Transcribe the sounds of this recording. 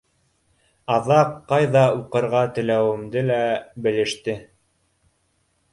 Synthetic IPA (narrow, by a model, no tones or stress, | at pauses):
ɑðɑqːɑjðɑuqɤ̆ɾʁɑt̪ɘ̆læwɘ̆md̪ɘlæbɘ̆lɘ̆ʃt̪ɘ